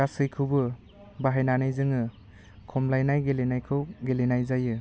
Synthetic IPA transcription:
asɯjkʰɯwbɯ | baɦajnanajzɯŋɯ | kʰɔmlajnajɡelenajkʰɯwɡelenajzajɯ

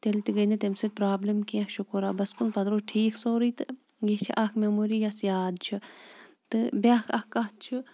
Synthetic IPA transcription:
t̪elt̪iɡɐnɐt̪emsɐt̪̚ʲpɾaːblɐmkiɐkʃukuɾaːbɐskunpɐd̪ɾoːʈʰiːkʰsoːɾit̪ɨ | jet͡ʃʰḭʔɐkʰmʲemuːɾijɐsjaːd̪̚t͡ʃʰi | t̪ɨbʲakʰɐkɐt̪̚t͡ʃʰi

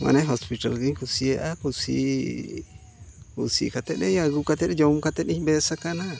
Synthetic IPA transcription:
wa̰nẽɦospit̪alɣiŋkusieʔakusḭ | kusḭkat̪enḛ̃jaɣukat̪enẽjomkat̪enĩmbesakanã

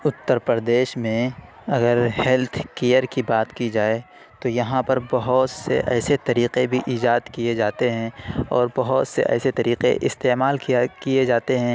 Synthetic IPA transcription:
ʊt̪ːəɾpəɾd̪eːʃmẽ | ɐɡəɾhɛlt̪ʰkejəɾkibaːt̪kid͡ʒaːe | t̪ojɐɦãpɐɾbɐɦʊt̪sḛʔɛ̰ːset̪ɐɾiːqebʱiʔiːd͡ʒaːd̪kijed͡ʒaːt̪eɦɛ̃ɔːɾbɐɦʊt̪sḛʔɛ̰ːset̪ɐɾiːqḛʔɪ̰st̪eːmaːlkiakijed͡ʒaːt̪eɦɛ̃ː

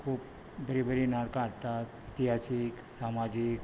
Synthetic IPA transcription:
kʰuːp | bɐɾibəɾinaːɽkaɾʈ̪at̪it̪iɦaːsɪksaːmaːd͡ʒɪk

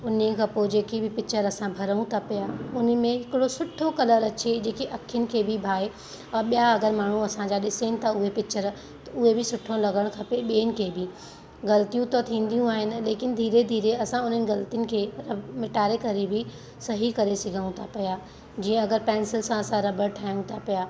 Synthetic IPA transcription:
ʊnĩkʰãpod͡ʑeːkibɪpɪt͡ɕəɾɐsãbʱɐɾəũt̪ʰapijaʊn̆mẽɦɪkɪɽosʊʈʰːokɐləɾɐt͡ɕed͡ʑeːkeʔɐkʰjənɪ̆kʰeːbʱɪbʱaːe | ɐɓijaɐɡəɾmaːɳ̤ũɐsãd͡ʑaːɗɪsenɪ̆t̪ʰaʊɦepɪt͡ɕəɾ | t̪ɐʊɦebɪsʊʈʰːõlɐɡəɽ̃kʰɐpeɓeːnɪ̆kʰeːbɪ | ɡɐlt̪ijũt̪ɐt̪ʰĩːnd̪ijũaːɦɪnɪ̆leːkɪnɪ̆d̪ʱiːɾed̪ʱiːɾeɐsãʊn̤ənɪ̆ɡɐlt̪ijənɪ̆kʰeːɾɐmɪʈaːɾekɐɾebɪ | sɐɦikɐɾesɪɡʱəũt̪ʰapɐja | d͡ʑiːə̃ɐɡəɾpɛ̃ːnsɪlsãɐsãɾɐbəɽʈʰaːjũt̪ʰapijaː

